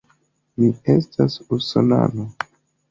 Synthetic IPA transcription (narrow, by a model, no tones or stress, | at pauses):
miestʰasusola̰no